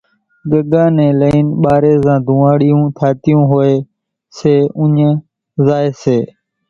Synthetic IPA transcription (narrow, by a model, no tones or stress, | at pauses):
ɡəɡãːnẽːləiːnɓaːɾeːzãːd̪ʱũːaːɽɪjũːt̪ʰaːt̪ɪjũːɦoːeː | seːʊɲ | zaːeːseː